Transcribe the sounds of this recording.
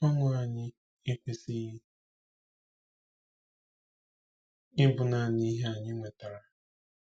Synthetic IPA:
ɔ˦ŋʷʊ˦a˨ɲɪ˦ | ɪ˦kʷe˦si˦ | ɪ˦bʊ˨na˦˨ni˦ɦe˦a˨ɲɪ˦ŋʷe˨ta˨ɾa˨

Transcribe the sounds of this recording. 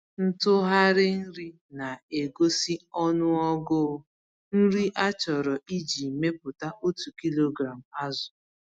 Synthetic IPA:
n̩˦tʊ˦ɦa˦ɾɪ˦n̩˦ɾi˦ | na˨e˨ɡo˦si˦ɔ˦nʊ˦ɔ˦ɡʊ˦˨˦ | n̩˦ɾi˦ʔa˦t͡ʃɔ˨ɾɔ˨ʔi˦d͡ʒi˨me˦pʊ˨ta˦ʔo˦tu˨ki˦lo˦ɡɾa˨m̩˨a˦zʊ˨

